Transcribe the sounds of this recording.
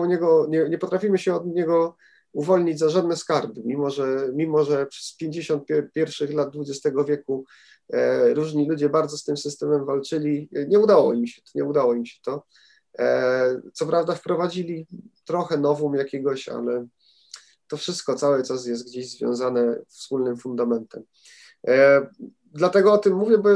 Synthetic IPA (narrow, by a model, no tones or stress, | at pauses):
uɲɛɡɔɲɛɲɛpɔt̪ɾafʲimɘɕɛɔd̪ɲɛɡɔ | uvɔlɲid͡ʑʲzaʐad̪̚nɛskaɾbɘmʲimɔʐɛmʲimɔʐɛpʂɛspʲjeɲd͡ʑeɕɔnt̪̚pʲɛpʲjɛɾfʂɘxlad̪̚d̪vud͡ʑɛst̪ɛɡɔvʲjɛku | ɾuʐɲilud͡ʑɛbaɾd̪zɔst̪ɘmsɘst̪ɛmɛmvalt͡ʂɘlʲiɲɛud̪awɔimɕɛ̥ɲɛud̪awɔimɕɛ̥t̪ɔ | t̪sɔpɾavd̪afpɾɔvad͡ʑilʲit̪ɾɔxɛnɔvɔmjakʲɛɡɔɕa̰lɛ | t̪ɔfʂɘst̪kɔt̪sawɘt͡ʂas̬jɛst̪̚ɡd͡ʑeʑzvʲjɔ̰̃zanɛfspulnɘmfund̪amɛnt̪ɛm | d̪lat̪ɛɡɔɔt̪ɘmːuvʲjɛbɔ